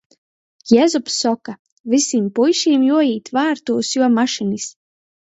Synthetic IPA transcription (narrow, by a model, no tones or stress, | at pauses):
jɛzupsɔka | visimpujʃiːmjuɔjiːt̪vaːɾt̪uːsjuɔmaʃinis